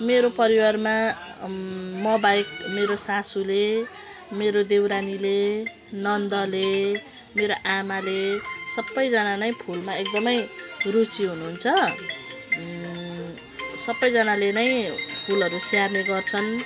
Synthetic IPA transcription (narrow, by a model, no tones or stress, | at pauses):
meɾopʌɾiwarma | mʌbaek̚meɾosasule | meɾod̪ewɾanile | nʌnd̪ʌle | meɾoʔamalesʌbːʌjd͡zʌnanʌj̃pʰulmaek̚d̪ʌmʌjrut͡siɦunuɦunt͡sʰʌ | sʌbːʌjd͡zʌnalenʌj̃pʰulʌɾusiarneɡʌrt͡sʰʌn